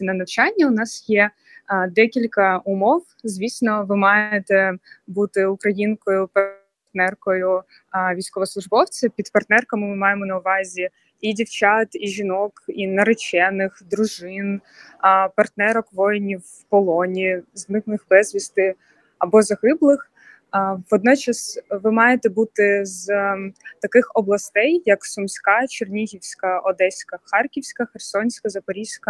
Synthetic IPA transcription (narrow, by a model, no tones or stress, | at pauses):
nɐnɐwt͡ʃɑnʲːɐʊnɑsjɛ | d̪ɛkʲilʲkɐʊmɔw | zʲʋʲisʲnɔʋɪmɑjet̪ɛbut̪ɪʊkɾɐjinkɔjʊpɐ | t̪nɛrkɔjʊ | ʋʲijsʲkɔʋɔslˠʊʒbɔwt͡sʲɪpʲid̪pɐrt̪nɛrkɐmɪmɪmɑjemɔnɐʊʋɑzʲi | idʲiwt͡ʃɑt̪iʒʲinɔkinɐɾet͡ʃɛnɪxd̪ɾʊʒɪn | pɐrt̪nɛɾɔkʋɔjnʲiw | pɔlˠɔnʲiznɪknˠɪxbɛzʲʋʲist̪ɪ | ɐbɔzɐɣɪblˠɪx | ʋɔd̪̚nɔt͡ʃɐsʋɪmɑjet̪ɛbut̪ɪz | t̪ɐkɪxɔblˠɐst̪ɛjːɐksʊmsʲkɑt͡ʃernʲiɦʲiwsʲkɐɔd̪ɛsʲkɐxɑrkʲiwsʲkɐxersɔnʲsʲkɐzɐpɔɾʲiwsʲkɐ